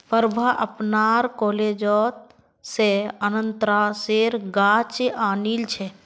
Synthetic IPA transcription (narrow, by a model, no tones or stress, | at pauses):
pəɾbʱaʔəpnaːɾkoːleːd͡ʒɔt̪̚ | seənənt̪ɾaːseɾɡaːt͡ʃʔaːnilt͡ʃʰe